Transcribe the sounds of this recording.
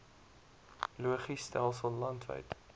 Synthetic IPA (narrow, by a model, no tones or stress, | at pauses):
luəχistælˠsəlˠlɐntvə̰jt